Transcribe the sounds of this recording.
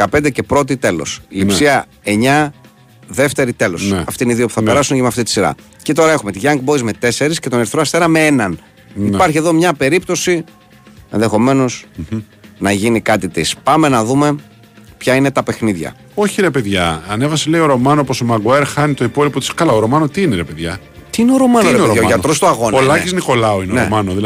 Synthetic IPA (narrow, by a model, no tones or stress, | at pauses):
ɐpend̪ece̞pɾo̞t̪̬it̪e̞lo̞̰silipsiɐ | e̞ɲɐ | ðe̞ft̪e̞ɾit̪e̞lo̞ssneɐft̪iniðiopu̥θɐeɾɐsuncemeɐft̪it̪i̥siɾɐ̰ | cet̪o̞ɾɐe̞xume̞t̪iʝɐŋɡbo̞izme̞t̪e̞se̞ɾisce̞t̪o̞neɾiθɾoɐst̪e̞nɐmeenɐn | ipɐɾçie̞ðo̞mɲɐpe̞ɾipt̪o̞si | enðexo̞me̞no̞s | nɐʝinikɐt̪it̪ispɐme̞nɐðume̞ | pçɐine̞t̪ɐpe̞xniðʝɐ̰ | o̞çiɾe̞pe̞ðʝɐɐne̞vɐsele̞io̞ɾo̞mɐnoposomɐɡoeɾxɐnit̪o̞ipo̞lipot̪i̥skɐlɐoɾo̞mɐnot̪iineɾepe̞ðʝɐ | t̪iineoɾo̞mɐnoeʝɐoʝɐt̪ɾost̪oɐɣo̞nollɐcizniko̞lɐoineonemɐnoði